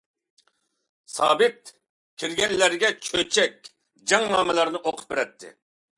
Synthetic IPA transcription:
sɑ̰ːbɪt̪̚ | kʲʰiɾɡʲɛnlæɾɡʲɛt͡ʃʰøt͡ʃʰɛk̚ʲ | d͡ʒɑŋnɑːmɨlˠɑɾnɨʔoqʰʊ̥p̚beɾɛt̪ʰːɪ̰

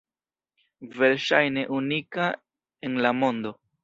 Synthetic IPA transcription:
ve̞ɾʃajne̞ʔunika | e̞nlamo̞ndo̞

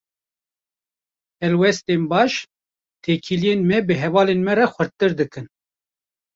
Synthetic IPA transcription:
hɛlwɛst̪eːmbɑːʃ | t̪ʰeːkʰilijenmɛbɨɦɛvɑːlenmɛɾɛxʷɨɾt̪ːɨɾd̪ɨkɨn

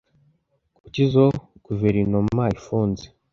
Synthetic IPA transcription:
kucizokuveɾinomaifuːnze

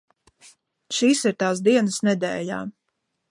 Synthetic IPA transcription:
ʃiːsiɾt̪aːs̬d̪iɛnəsnɛd̪ɛːja̰ː

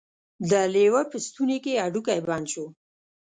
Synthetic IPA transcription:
d̪əlewapəst̪unekeaɖukajbɑnt͡ʃo

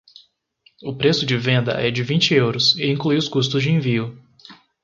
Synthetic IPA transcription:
ʊpɾesʊd͡ʒɪvẽnd̪ɐ̰ʔɛd͡ʒɪvĩnt͡ʃɪewɾʊsɪĩklujʊskust̪ʊzd͡ʒɪẽviʊ

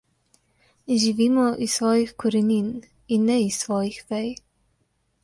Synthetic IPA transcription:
ʒiʋiːmɔʔisʋɔːjixkɔɾɛnin | inːɛisʋɔːjixʋɛj

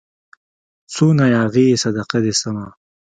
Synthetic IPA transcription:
suːnajaːɣisɐd̪ɐqɐd̪esɐma

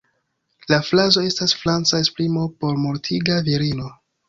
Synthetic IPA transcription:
laflazo̞e̞stasflant͡saesplimo̞po̞ɾmuɾtʰiɡaviɾino̞

